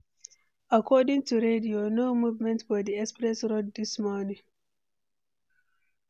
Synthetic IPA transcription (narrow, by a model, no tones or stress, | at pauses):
akʰɔdɪ̃ŋtuɹedionomuvmɛ̃ntwɔdiɛkspɹɛsɹoddismɔnĩŋ